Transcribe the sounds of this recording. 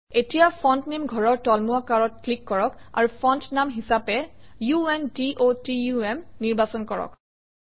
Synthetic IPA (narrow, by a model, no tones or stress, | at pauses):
etijapʰɔntnimɡʱɔɹɔɹtɔlmuakaɹɔt̚klikːɔɹɔka̰ɹupʰɔntnamɦisapɛjuɛndiʔotijuɛmniɹbasɔnkɔɹɔ̰k